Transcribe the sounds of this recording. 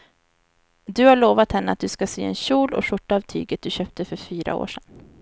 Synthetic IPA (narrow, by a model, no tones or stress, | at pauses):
d̪ɵhaɭoːvat̪hɛnːəa̰t̪̚d̪ɵskasḛːɛ̰nɕuːlɔ̰ʂʊʈːaɑvt̪ʰy̰ːɡət̪̚d̪ɵɕœːp̚t̪əfœɾfyːɾa̰o̰ːʂɛn